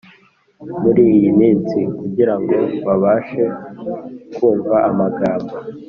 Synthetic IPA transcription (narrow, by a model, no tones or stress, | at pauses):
muɾiːjimiːnsikuɟiɾaŋɡo̞βaβaːʃe̞ | kuːɱvaʔamaɡaːmba